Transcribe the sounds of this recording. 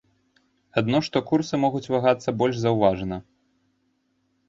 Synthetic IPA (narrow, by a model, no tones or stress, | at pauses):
ad̪nɔʂt̪ɔkursɨmɔɣut͡sʲvaɣat̪sːɐbɔlʲzɐwvaʐnɐ